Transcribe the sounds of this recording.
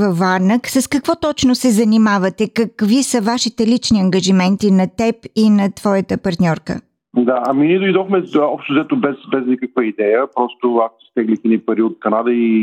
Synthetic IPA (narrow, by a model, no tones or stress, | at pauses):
vɐfːaɾnəksɐskɐkvɔt̪ɔt͡ʃnosɛzɐnimavɐt̪ɛkɐkvisəvaʃit̪ɛlit͡ʃniɐŋɡɐʒimɛnt̪inɐt̪ɛpinɐt̪vɔjət̪əpɐɾt̪nʲɔɾkə̰ | d̪aɐminʲiɛd̪oid̪ɔxmɛɔpʃt̪ozɛt̪obɛsbɛznikək̚vəid̪ɛjəpɾɔst̪oakost̪ɛɡlik̪ʲinipɐɾiot̪̚kɐnad̪əi